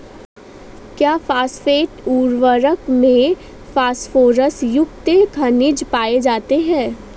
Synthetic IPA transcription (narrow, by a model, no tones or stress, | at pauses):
kjaːfaːsfeːʈuːɾʋəɾəkmẽ | faːsfoːɾəsjʊkt̪ekʰɐnɪd͡ʒpaːed͡ʒaːt̪eɦɛ̃ː